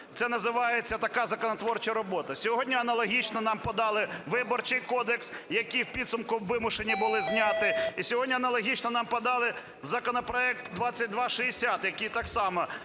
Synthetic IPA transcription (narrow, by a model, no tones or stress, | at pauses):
t̪sɛnɐzɪʋɑjet͡sʲːɐt̪ɐkɑzɐkɔnɔt̪ʋɔrt͡ʃɐɾɔbɔt̪ɐsʲɔɦɔdʲnʲiɐnɐlˠɔɦʲit͡ʃnɔnɑmpɔd̪ɑlˠɪʋɪbɔrt͡ʃɪjkɔd̪eksjɐkijwpʲid̪sʊmkʊwːɪmʊʃenʲːibʊlˠɪzʲnʲat̪ɪisʲɔɦɔdʲnʲiɐnɐlˠɔɦʲit͡ʃnɔnɑmpɐd̪ɑlˠɪ | zɐkɔnɔpɾɔɛkt̪d̪ʋɑt͡sʲːɐt̚ʲd̪ʋɑʃɪɪsʲat̪jɐkijt̪ɑksɑmɐ